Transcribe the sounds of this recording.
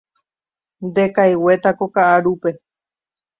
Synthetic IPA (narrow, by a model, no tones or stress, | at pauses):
nd̪e̞kajwe̞t̪akokaʔaɾupe̞